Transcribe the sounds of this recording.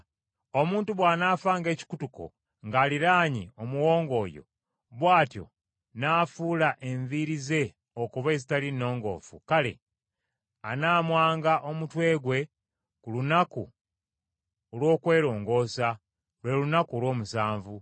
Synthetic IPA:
o̞muːntuβwaːnaːfaːŋɡe̞ːci̥kutuko̞̰ | ŋɡaːliɾaːɲḭo̞muwo̞ːŋɡo̞ːjo̞̰ | βwaːtjo̞̰ | naːfuːlaʔe̞ɱviɾize̞ | okuβe̞ːzitalinːo̞ːŋɡo̞̰ːfṵkale̞̰ | anaːmwaːŋɡaʔo̞mutwe̞ːɡwe̞ | kulunakṵ | olwo̞ːkwe̞ːɾo̞ːŋɡo̞ːsa | lwe̞lunakuolwo̞ːmusaːɱvu

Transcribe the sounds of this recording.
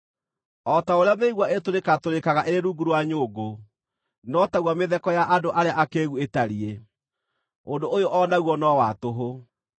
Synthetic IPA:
ɔtaoɾeameiɣwaetoɾekatoɾekaɣaʔeɾeɾuːɡuɾwaɲoɡo | nɔtaɣwameðɛkɔjaʔadoʔaɾeaʔakeːɣuetaɾie | ondoʔojoʔɔnaɣwɔnɔwatoɦo

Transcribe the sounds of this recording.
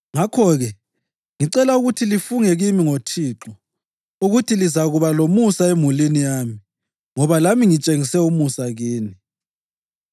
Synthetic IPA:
ŋakʰɔɣɛ | ŋiǀɛlauɣutʰilifuŋɛɣimiŋotʰiːǁɔ | uɣutʰilizaɣuβalomusaemulinijaːmi | ŋɔβalamiŋit͡ʃʼeŋisɛumusaɣiːni

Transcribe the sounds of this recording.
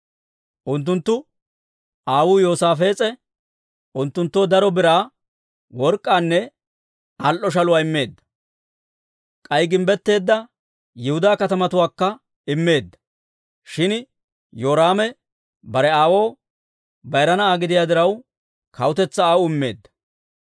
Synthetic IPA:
ʔʊnt̪̬ːʊnt̪ːʊ | ʔaːwuːjo̞ːsaːfe̞ːt͡sʼɛ | ʔʊnt̪ːʊnt̪ːo̞ːd̪ɐɾɔbɪɾaː | wɔɾkʼːaːnːɛ | ɐlʔɔʃ̬ɐlʊwaːɪmːe̞ːd̪ːɐ̥ | kʼɐjɡɪmbɛt̪ːe̞ːd̪ːɐ | jɪhʊd̪aːkɐt̪ɐmɐt̪ʊwaːkːɐ | ɪmːe̞ːd̪ːɐ̥ | ʃɪn | joːɾaːmɛ | bɐɾɛaːwo̞ː | bɐjɾɐnɐaːɡɪd̪ɪjaːd̪ɪɾɐw | kʰɐwʊt̪ɛt͡sːɐaːwʊɪmːe̞̰ːd̪ːɐ̥

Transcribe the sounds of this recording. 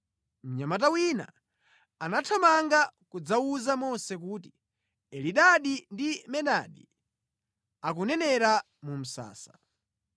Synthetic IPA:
m̩ɲamat̬awina̰ | anatʰamaŋɡakud͡zauzamɔsɛkuːti̥ | ɛliɗaɗindimɛɗaɗḭ | ak̬unɛnɛɾa | mum̩sa̰ːsa

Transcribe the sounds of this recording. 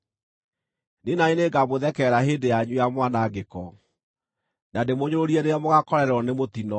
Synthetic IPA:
nenaineɡamoðɛkɛɾaɦeːdejaɲujamwanaɡekɔ | nademoɲoɾoɾiɛneamoɣakɔɾɛɾɔnemotinɔ

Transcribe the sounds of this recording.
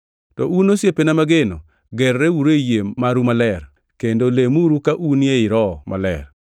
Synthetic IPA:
tɔunosjepenamaɡeno | ɡɛrːɛwuɾejemaɾumalɛr | kendolemuɾukaʔunjeɪɾɔmʔa̰lɛ̰r

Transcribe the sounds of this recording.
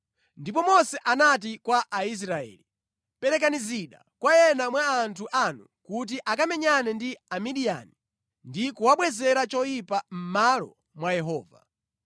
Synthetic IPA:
ndipɔmɔsɛʔanat̬ikwaʔais̬ɾaɛ̰ːli | pɛɾɛkaniziɗa̰ | kwajɛnamwaːntʰuʔanukut̬iʔakamɛɲanɛndiamiɗia̰ni | ndikuwaɓwɛzɛɾat͡ʃɔjipam̩malɔ̰ | mwajɛɦɔːva̰

